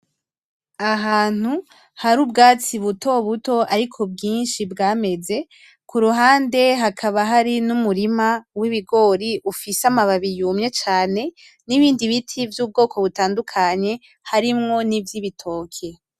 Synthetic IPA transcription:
aɦaːn̥hu | haɾuːbɡaːt͡siβuto̞βuto̞aɾikʰo̞bɡiːnʃibɡaːme̞ze̞ | kuɾuɦaːnde̞ɦakʰaβaɦaɾinumuɾimawiβiɡo̞ɾiʔufisamaβaβijuːmɲe̞t͡ʃaːne̞ | niβiːndiβitʰivjuːb̚ɡo̞ːkʰo̞βutaːndukʰaɲe̞ | haɾimŋo̞nivjiβitʰo̞ːkʰe̞

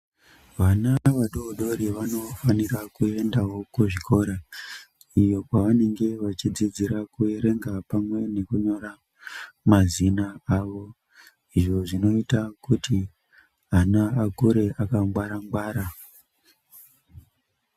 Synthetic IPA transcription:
ʋanaʋaɗoːɗo̞ɾiʋano̞fanirakue̞ndaɦo̞kuʐiko̞ɾa | ijo̞kwaʋane̞ŋɡe̞ʋat͡ʃid͡zid͡ziɾakue̞ɾe̞ŋɡapamwe̞ne̞kuɲo̞ɾa | mazinaaʋo̞ | iʐo̞ʐino̞itakuti | anaakuɾe̞ʔakaŋɡwaɾaŋɡwaːɾa

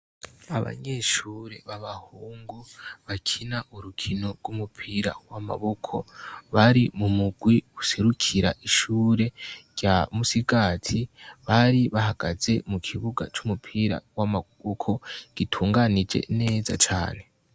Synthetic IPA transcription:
aβa̰ɲe̞ʃuːɾe̞̰βaβahuːŋɡuβakʰinaʔuɾukʰino̞ɾɡwumupʰiɾa̰wama̰βokʰo̞βaɾimumuɡ̥wiɡuse̞ɾukʰiɾaʔiʃuːɾe̞ɟ̥amusiɡaːtʰiβaɾiβahaɡ̥aze̞mukʰiβuɡa̰t͡ʃumupʰiɾa̰wamaβokʰo̞ɡ̥itʰuːŋɡanid͡ʒe̞̰ne̞ːzat͡ʃa̰ːne̞

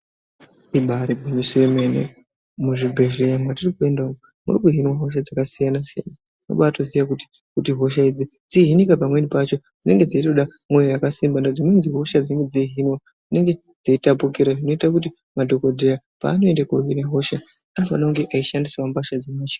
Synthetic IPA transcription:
iɓaɾibʱuɲisuwe̞menḛ | muʐibʱe̞ʒejamwatirikue̞ndaomo | mṵrikuɦinwaɦo̞ʃ̬ad͡zakasijanasija̰na | no̰ɓatoziʋakuti̥ | kutiɦo̞ʃ̬aid͡zi | d͡ziɦinikapamwe̞nipat͡ʃo̞ | d͡zine̞ŋɡe̞d͡zaitoɗa | mwojojakasimbandod͡zinonziɦo̞ʃad͡zineŋɡe̞d͡ziiɦinwa | d͡zine̞ŋɡe̞ | d͡zaitapukiɾaʐino̞itakuti | madʱo̞ko̞dʱeja | pa̰ːno̞e̞ndekoɦineɦo̞ʃa | anofanoŋɡe̞ʔaiʃandisawambaʃad͡zemaːt͡ʃḁ

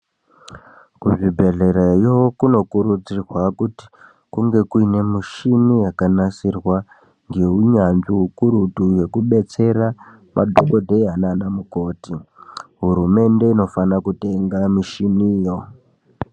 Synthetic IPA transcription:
kuʐibʱe̞ɮeɾajokuno̞kuɾud͡zirwakuti̥ | kuŋɡe̞kuine̞miʃinijakanasirwa | ŋɡe̞uɲanʐiɦukuɾutuje̞kuɓe̞t͡se̞ɾa | mʔa̰dʱoko̞dʱe̞ananamuko̞ːtiɦuɾume̞nde̞ino̞fanakute̞ŋɡamiʃiniːjo̞

